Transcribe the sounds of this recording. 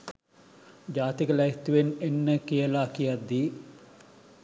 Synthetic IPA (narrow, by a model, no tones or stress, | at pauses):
d͡ʒaːt̪ikəlajt̪ːuʋenenːəkijəlakijad̪ːi